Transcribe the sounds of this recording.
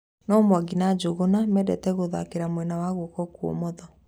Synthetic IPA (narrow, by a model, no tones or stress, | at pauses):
nɔmwaɡinad͡ʑoɣonamɛdɛtɛɣoða̰keɾamwɛnawaɣokɔkwo̰mɔðɔ